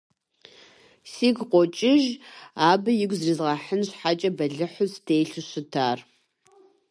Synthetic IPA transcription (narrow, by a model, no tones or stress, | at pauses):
siːɡqʷɔt͡ʃʼɪʒaːbɨjɪɡʷzrizʁɑːħənɕħat͡ʃʼɐbɐɮɨħʊsd̥ʰeːɬɨɕɨtʰaːr